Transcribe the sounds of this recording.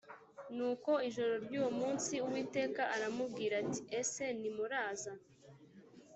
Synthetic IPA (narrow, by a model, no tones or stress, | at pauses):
nuːko̞iʒo̞ɾo̞ɾɟuːwomuːnsiuwiːte̞ːkaʔaɾamub̚ɡiːɾati̥ʔe̞se̞nimuɾaːza